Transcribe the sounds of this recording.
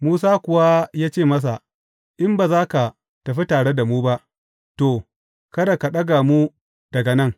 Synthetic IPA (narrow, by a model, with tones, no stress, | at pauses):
muː˦s̬aː˦kʷʊ˨wa˦jaː˦t͡ʃeː˦˨mɐ˦s̬a˨ | ʔɪ˦mba˨zaː˦ka˨ | tɐ˨ɸi˦taː˨ɽe˦da˨muː˦ba˦ʔ | toː˨ | kɐ˦da˨ka˨ɗɐ˦ɡa˨mu˦ | d̥ɐ˨ɡɐ˨nɐ˦ŋ